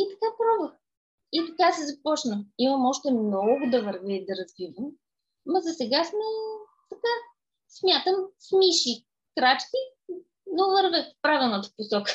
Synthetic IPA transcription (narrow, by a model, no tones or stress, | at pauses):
it̪ɐ̥kapɾɔvəx | it̪ɐk̪asɛzɐpɔt͡ʃnəiməmɔʃt̪ɛmnɔɡʊd̪ɐvəɾvɛd̪ɐɾɐzvivəmː | ɐzɐsɛɡasmɛ | t̪ɐka | smʲjat̪əmsmiʃi | kɾat͡ʃki | novəɾvɛfpɾavilˠnət̪ə̥posɔkə̥